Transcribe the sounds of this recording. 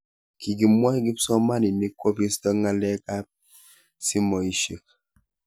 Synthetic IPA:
ki˨ɡi˨mwa˦ɡi˦psɔ˦ma˦ni˨ni˦ko˦pji˦stɔ˦ŋa˦lɛ˦ka˦p̚ | si˦mɔ˨i˦ʃe˨k̚

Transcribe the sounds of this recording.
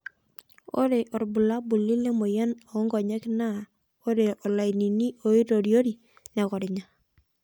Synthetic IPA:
o̰˦ɾe˨ʔɔ˨ɾbu˨la˦bu˨lːi˦le˦mo˨jɛ˦nɔ˨˦ŋɡɔ˨ɲɛ˦kna˦˨ | o˦ɾe˨ʔɔ˨la˨ini˨ni˦o˨i˦ɾo˨ɾjo˦ɾi˨ | nɛ˨kɔ˨ɾɪ˨ɲa˦

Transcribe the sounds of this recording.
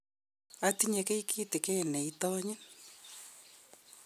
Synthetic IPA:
a˨ti˦ɲe˨ke˦i˦kʰiː˦ti˨kɛ˦˨nɛ˨itɔ˦ɲɪ˦n

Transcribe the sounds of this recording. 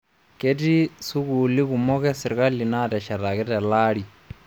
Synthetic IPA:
ke˦ti˦su˦ku˨li˦ku˨mɔ˦kɛ˦si˨ɾka˦li˨na˦tɛ˨ʃa˨ta˨kɛ˦tɛ˨la˦ɾi˨

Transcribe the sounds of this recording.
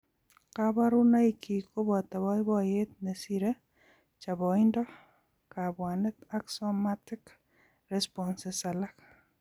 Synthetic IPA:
kaba˦ɾʊ˦na˦ikʰi˨ko˦bɔ˨t̪a˨βɔ˦ɪ˦bɔ˦je˦t̪̚ne˨siɾe˦ | t͡ʃa˨bɔɪndɔ˦ | ka˨bwa˨nɛ˦t̪a˦ksɔmatɪk | ɾɛspɔnsɪsalak

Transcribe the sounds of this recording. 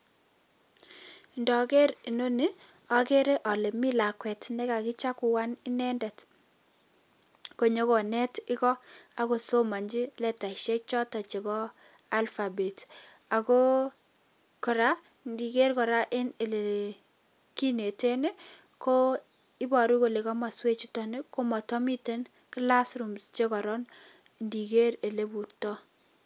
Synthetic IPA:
ndɔ˨ke˦ɾi˨no˦ni˦ | a˦ke˦ɾe˦ʔɔ˨le˨mi˦la˨kwɛ˨tne˦ka˨ki˦t͡ʃa˦ku˨wa˦nɪ˦nɛ˦ndɛ˨t | ko˨ɲo˦ko˨nɛ˦tɪ˦kɔ˦a˨ko˨so˦ma˨ɲd͡ʒi˦lɛ˨ta˨i˨ʃe˦k̚t͡ʃɔ˦tɔ˨t͡ʃe˨bɔ˦ | a˦lfa˨be˨t | a˨ko˦ | kɔ˨ɾa˦ndi˨ke˦rkɔ˨ɾa˦ʔɪ˦ne˨le˨ | ki˦ne˨te˦ne˦ | ko˦ | ɪ˦bɔ˨ɾu˦ko˨le˨kɔ˦ma˨swe˦t͡ʃu˦tɔ˨ne˦ko˦mɔ˨tɔ˦mi˦te˦n | kɪ˦la˦sɾu˨mt͡ʃe˦kɔ˨ɾɔ˦n | ndi˨ke˦ɾe˨le˦bu˨ɾtɔ˦

